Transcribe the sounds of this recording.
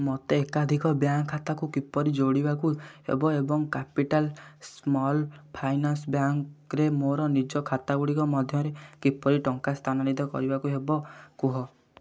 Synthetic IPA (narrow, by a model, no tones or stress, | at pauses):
mot̪eekad̪ʱikɔbjaŋkʰat̪akukipɔɾid͡ʒoɽibakuhḛbɔebɔŋkapiʈalsmɔlpʰajnansbjaŋkɾemoɾɔnid͡ʒɔkʰat̪aɡuɽikɔmɔd̪ʱjɔɾekipɔɾiʈɔŋkast̪ʰananit̪ɔkɔ̰ɾibakuɦebɔkuɦɔ